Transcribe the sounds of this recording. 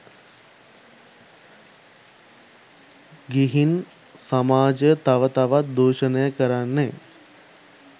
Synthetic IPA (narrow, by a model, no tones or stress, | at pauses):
ɡiɦin | samaːd͡ʒət̪aʋət̪aʋat̪̚d̪oːʃənəjəkəɾanːe